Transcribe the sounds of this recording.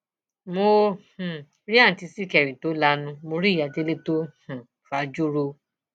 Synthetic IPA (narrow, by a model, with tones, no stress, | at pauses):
mo˧h̩˨ | ɾi˦a˦˨n̩˨ti˧si˦˨kɛ˨ɾi˨to˨˦la˧˦nũ˧mo˧ɾi˦˨ja˨de˨˦le˦to˦h̩˨ | fa˨˦d͡ʒu˦ɾo˧